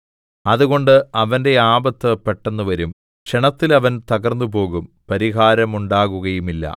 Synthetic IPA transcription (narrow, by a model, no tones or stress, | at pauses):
ɐðuɣo̞ɳɖɨɐʋɐnde̞aːbɐt̪ːɨpeʈːenːuʋɐɾum | kʂeɳɐt̪ːilɐʋɐnt̪ɐɣɐrnːupo̞ːɣum | pɐɾiɣaːɾɐmuɳɖaːɣuɣɐjumilːɐ̰